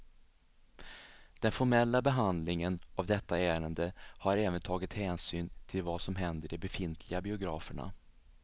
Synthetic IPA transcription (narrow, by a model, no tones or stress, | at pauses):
d̪̥ɛnfɔɾmɛlːabɛɦand̪lɪŋənavd̪ɛt̪ːaæːɾənd̪əhaɾɛːvənt̪ʰɑːɡɪt̪hɛːnsyːnt̪ʰɪlvasɔmɦɛnd̪əɖɛbɛfɪnt̪ʰlɪɡabɪʊɡɾɑːfəɳa̰